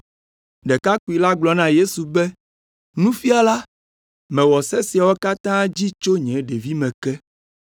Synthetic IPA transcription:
ɖɛ˨ka˦ku˨i˨la˦ɡ͡blɔ˨nã˦je˦su˨bɛ˦ | nũ˦fi˦a˨la˦ | mɛ̃˨wɔ˨sɛ˦si˨a˨wɔ˦ka˦t̪ã˦d͡ʑi˦t͡ʃo˦ɲɛ̃˨˦ɖe˨vi˦mɛ̃˨kɛ˦

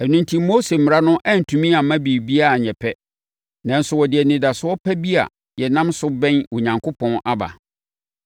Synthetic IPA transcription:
ɛ˨nũ˦ntʰĩ˦mo˦se˨mɪ˨ɾa˦nʊ̃˦ʔɛ˦n̩˨tʰũ˨mĩ˦a˨mã˦bi˨bi˦a˨a˨ɲɛ̃˨pʰɛ˦ | nã˨n̩˦sʊ˨wɔ˨dɪ˨ɛ˨nɪ̃˨da˨sʊ˦ɔ˦pʰɛ˦bi˦a̰˨ | jɛ˨nã˦msʊ˦bɛ̃˦nwɔ˨ɲã˨ŋkʰʊ˦pʰɔ̃˦nʔa˦ba̰˨

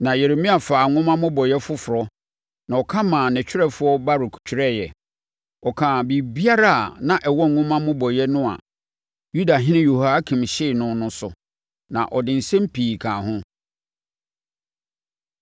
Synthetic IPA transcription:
nã˨je˨ɾe˨mĩ˦a˨faː˨ŋʊ̃˦mã˦mʊ̃˦bɔ˨jɛ˦fʊ˦fʊ˨ɾɔ˦ | nã˨ɔ˨kʰã˦mãː˨nɪ̃˨t͡ɕᶣʰɪ˦ɾɛ˦fʊ˦ɔ˦ba˦ɾɪ˨kʰu̥˨t͡ɕʰᶣɪ˦ɾɛ˦˨jɛ˨ | ɔ˨kʰãː˨bi˨bi˦a˦ɾa˦a˨nã˦ʔɛ˨wɔ̃˦ŋ˨ŋʊ̃˦mã˦mʊ̃˦bɔ˨jɛ˦nʊ̃˦a̰˨ | ju˦da˨ɦɪ̃˦nɪ̃˦jo˨ha˦kʰĩ˨mɕɪ˦˨nʊ̃˦nʊ̃˦sʊ̰˨ | nã̰˨ʔɔ˨dɪ̃˨n̩˨sɛ̃˦m̩˦pʰiː˨kʰãː˨ɦʊ̃˦

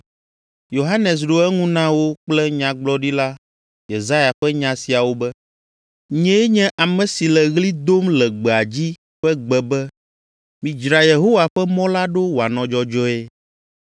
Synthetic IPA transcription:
jo˨ɦa˦nɛ˨s̬ɖo˦ɛ˦ŋũ˦nã˦wo˦k͡plɛ˦ɲã˨ɡ͡blɔ˦ɖi˦la˦ | je˨za˦ja˨ɸɛ˦ɲã˨si˨a˨wo˦bɛ˦ | ɲɛ̃˦ɛ˦ɲɛ̃˦ʔa˨mɛ̃˨si˨lɛ˨ɣli˦d̪o˦mlɛ˨ɡ͡bɛ˨a˨d͡ʑi˦ | ɸɛ˦ɡ͡bɛ˨bɛ˦ | mĩ˨d͡ʒɾa˨je˨ɦo˦wa˨ɸɛ˦mɔ̃˦la˦ɖo˦wo˨a˨nɔ̃˨d͡ʒɔ˦d͡ʒɔ˦e˦

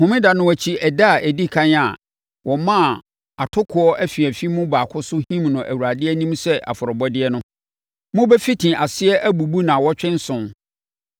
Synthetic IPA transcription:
hʊ̃˨mɪ̃˦da˨nʊ̃˦wæ˨t͡ɕʰi˦ʔɛ˨da˦˨ʔæ˨di˦kʰã˦na˨ | wʔɔ˨mã˦˨ | a˨tʰʊ˦kʰʊ˨ɔ˦ʔæ˦fi˨æ˨fi˦mʊ̃˦baː˨kʰʊ˦sʊ˦hĩ˦mnʊ̃˨ʔæ̰˨wu˨ɾa˨dɪ˦ɛ˦nĩ˦msɛ˦ʔa̰˨fʊ˨ɾɔ˨bɔ˦dɪ˦ɛ˦nʊ̃˦ | mʊ̃˦bɛ˦fi˦tʰĩ˨ʔa˨sɪ˦ɛ˦ʔæ˦bu˨bu˦nã˨wɔ˦t͡ɕᶣɪ̃˦n˦sʊ̃˨n

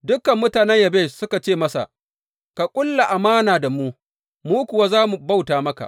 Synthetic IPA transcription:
dʊ˦kːɐ˨mːʊ˦taː˨nɛ˦ɲjɐ˨beː˦˨sʊ˦ka˨t͡ʃeː˦˨mɐ˦sa̰˨ | ka˨kʷʼʊ˦lːa˨ʔa˨maː˦naː˨da˨muː˦ | muː˦kʷʊ˨waː˦zaː˦mu˨ba˦wtaː˨mɐ˦ka̰˨ʔ

